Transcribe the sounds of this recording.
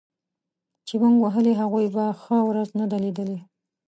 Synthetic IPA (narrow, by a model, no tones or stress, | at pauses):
t͡ʃemuŋɡwaɦəleɦaɣujbaxəwɾaznad̪aled̪əle